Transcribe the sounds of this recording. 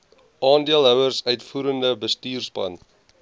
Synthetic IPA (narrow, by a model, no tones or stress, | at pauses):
ʔɑːndiəlˠɦœwərsœɥtfuːɾəndəbəstiːrspɐ̰n